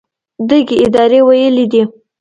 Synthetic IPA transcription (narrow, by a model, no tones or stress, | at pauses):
d̪əɡeɪd̪ɑɾewajəlid̪i